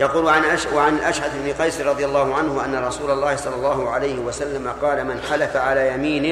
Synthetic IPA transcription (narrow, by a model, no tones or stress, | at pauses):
jaquːlʕanʔawaʕanɪlʔaʃʕad̪ɪbnɪqɑjsɾˤɑd̪ˤɨjalˤːɑːhʊʕanhʊʔa̰nːaɾˤɑsuːlɑlˤːɑːhɪsˤɑlːɑlˤːɑːhʊʕalajhɪwasalːamaqɑːlamɪnħalafaʕalaːjamiːnɪ